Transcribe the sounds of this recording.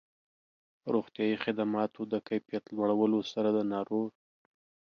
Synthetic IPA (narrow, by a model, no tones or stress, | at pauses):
ɾoxt̪jɑjixɪd̪amɑt̪ʰod̪əkajpjat̪lwaɽawəlosaɾad̪ənɑɾo